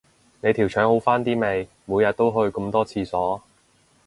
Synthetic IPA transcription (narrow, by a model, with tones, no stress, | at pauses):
ne˨˧jt̪ʰi˨˩wt͡ʃʰœː˨˥ŋho˨˥wfaː˥nt̪iː˥me˨˧j | muː˨˧jɐ˨˧t̚t̪o˥wɦɵ˧ɥkʊ˧mt̪ɔː˥t͡sʰiː˧sɔː˨˥